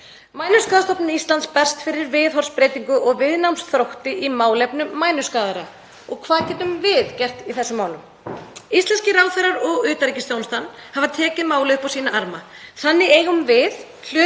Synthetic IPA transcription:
maːjnʏskaːðast̪ɔpnʏist̪lant̪spɛr̥st̪fɪɾɪɾvɪðɦɔr̥spɾeːjt̪iŋkʏʔɔɣvɪðnawmsθɾowht̪ɪʔimaːwlɛpnʏmːaːjnʏskaːðaɾa | ɔɣkʰvaːðcɛːt̪ʏmvɪðcɛr̥t̪iθɛsːʏmaːwlʏm | ist̪lɛnscɪɾaːwθɛjɾaɾɔɣʏːt̪aɾicɪst̪jownst̪anhavat̪ʰɛːcɪmaːwlɪʏhpasiːnaʔaɾma | θanːɪeːjɣʏmvɪð | l̥ʏ

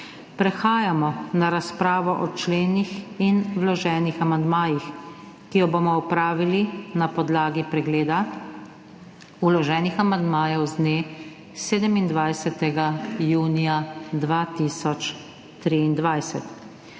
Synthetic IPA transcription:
pɾɛxaːjamɔnaɾaspɾaːʋɔʔɔt͡ʃleːnixinwlɔʒɛːnixamand̪maːjix | kijɔbomɔupɾaːʋilinapɔd̪laːɡipɾɛɡleːd̪a | ulɔʒɛːnixamand̪maːjɛwzd̪neː | seːd̪ɛmind̪ʋajsɛt̪ɛɡajuːnijad̪ʋat̪isɔt͡ʃ | t̪ɾiːnd̪ʋajsɛt̪

